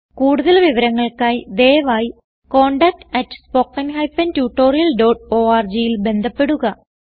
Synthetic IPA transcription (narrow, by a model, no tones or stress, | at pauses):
kuːɽuðɐlʋiʋɐɾɐŋːɐɭkaːjd̪eːʋaːji | ko̞ːɳɖɐk̚ʈɐtːspo̞ːkːɐnhɐjfɐntjuːʈːo̞ːrijɐlɖo̞ːʈoːaːrd͡ʑijilbe̞nd̪ʱɐpːe̞ɽuɣɐ